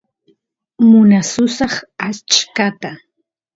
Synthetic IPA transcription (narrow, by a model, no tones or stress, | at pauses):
mʊnasʊsɑχat͡ʃkat̪a